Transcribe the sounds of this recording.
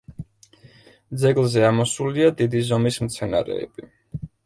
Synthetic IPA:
d̪zɛɡlˠzɛamɔsuliad̪id̪izɔmismt̪sʰɛna̰ɾɛ̰ɛ̰b̥i

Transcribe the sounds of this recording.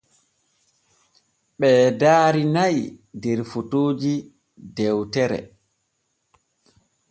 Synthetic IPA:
ɓɛːdaːɾinajdɛɾfutoːd͡ʒi | dɛwtɛɾɛ̰

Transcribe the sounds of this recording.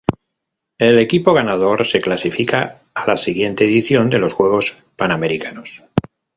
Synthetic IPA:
e̞le̞kipo̞ɣ̞anað̞o̞ɾse̞klasifikaː | lasiɣje̞nt̪e̞ːðiθjo̞nd̪e̞lo̞sxwe̞ɣ̞o̞s | paname̞ɾikʰano̞s

